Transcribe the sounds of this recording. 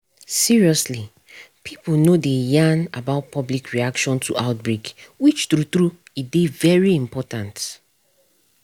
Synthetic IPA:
siɹiɔsli | pʰiplnodejãnabaʊt̚pʰɔblikʰɹiakʃɔ̃ntʰuʔaʊt̚bɹekwit͡ʃtɹutɹuidevɛɹiĩmpʰɔtãnt

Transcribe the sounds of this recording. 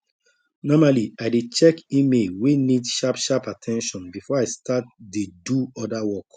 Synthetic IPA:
nɔmaliaɪdet͡ʃɛkimewinidʃapʃapatʰɛ̃nʃɔ̃nbifɔaɪstat̚deduɔdawɔk

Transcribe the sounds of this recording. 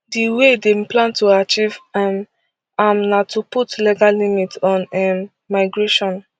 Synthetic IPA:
diwedeplãntuat͡ʃivm | amnatuputliɡallimitɔ̃nɛmː | aɪɡɹeʃɔ̃n

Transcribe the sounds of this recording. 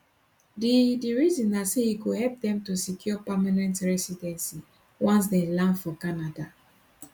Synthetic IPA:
didiɹizĩnasehikohɛlp̚dɛ̃mtusikjɔpamanɛ̃ntɹɛsidɛ̃nsi | wãns̬delãnfɔkanada

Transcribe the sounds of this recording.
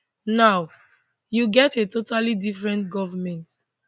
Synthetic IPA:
naw | juɡɛtetotalidifɹɛ̃ntɡɔvamɛ̃nt

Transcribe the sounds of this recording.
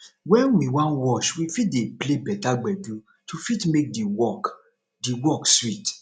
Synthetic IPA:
wɛ̃nwĩwãnwɔʃwifit̚deplebɛtaɡ͡bɛdu | tufitmek̚diwɔk | diwɔkswit

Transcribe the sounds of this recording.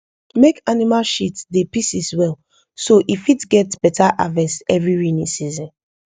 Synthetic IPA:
mekanimalʃitdepisiswɛl | soʔifitɡɛtb̥ɛtʰaʔa̰vɛsɛvɹiɹinĩsizɔ̃n

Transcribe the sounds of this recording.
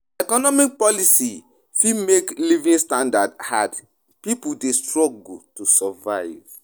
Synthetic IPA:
ɛkɔnɔmik̚pɔlisi | fimeklivĩŋstãndadhad | pipudestɹɔɡutusavaɪv

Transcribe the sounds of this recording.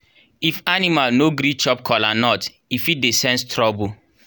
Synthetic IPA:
ifanimalnoɡɾit͡ʃɔp̚kʰɔlanɔt | ifit̚desɛ̃nstʰɾɔbu

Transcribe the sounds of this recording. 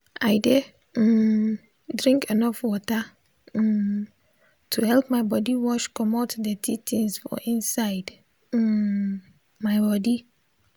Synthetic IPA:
aɪdɛ | dɹĩŋkenɔfwɔta | tʰuhɛlpmaɪbɔdiwɔʃkɔmatdɛtʰitʰĩnsfɔ̰ʔĩnsaɪd̩ | maɪbɔdi

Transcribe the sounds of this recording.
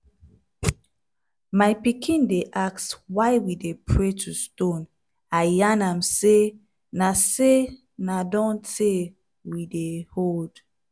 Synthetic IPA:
majpikʰĩndeʔakswajwidepʰɹetʰustõn | ajanamse | nase | nadɔ̃ntʰe | widehold̥

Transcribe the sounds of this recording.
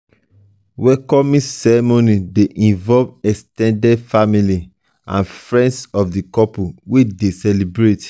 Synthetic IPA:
wɛkɔmĩsɛɹɛmonideʔĩnvɔvɛkstɛ̃ndɛdfamili | ã̰nfɹɛ̃ndsɔfdikɔpuwedesɛlibɹet

